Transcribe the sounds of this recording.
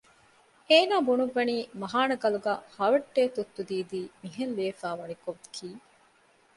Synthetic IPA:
eːnaːbunuʋːɐniːmɐɦaːnɐɡɐluɡæ̰ːhɐʋɐʈːeːt̪ut̪ːud̪iːd̪iːmiɦenleːfaːʋɐnikoʋkʰiː

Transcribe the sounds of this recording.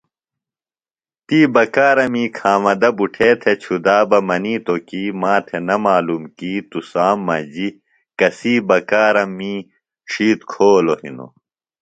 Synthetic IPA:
t̪iːbɐkaːɾɐmiːkʰaːmɐd̪ɐbuʈʰeːt̪ʰet͡ɕʰud̪aːbɐmɐniːt̪okiːmaːt̪ʰenɐmaːlumkiːt̪usaːmːɐ̰d͡ʑi | kɐsiːbɐkaːɾɐmːiː | ʂiːt̪kʰoːlohḭno̰

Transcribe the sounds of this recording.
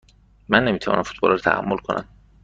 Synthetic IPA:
mænːe̞miːt̪ʰævɒ̰ːnʔæmfut̪̚bɒ̰lɾt̪ʰæhæ̰mːolkʰo̞nʔæ̰m

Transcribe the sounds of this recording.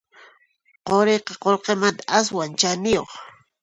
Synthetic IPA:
qoɾejqɑqolqemant̪aaswant͡ʃanɪjo̰χ

